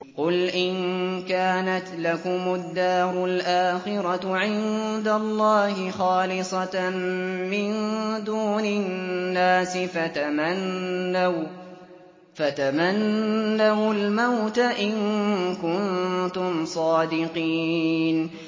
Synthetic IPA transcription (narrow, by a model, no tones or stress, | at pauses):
qʊlʔɪnkaːnat̪lakʊmʊd̪ːaːɾˤʊlʔaːxɪɾˤɑʕɪnd̪alˤːɑːhɪxɑːlɪsˤɑ | mɪnd̪uːnɪnːaːsɪfat̪amanːaw | fat̪amanːawlmawt̪aʔɪnkʊnt̪ʊmsˤɑːd̪ɪqiːn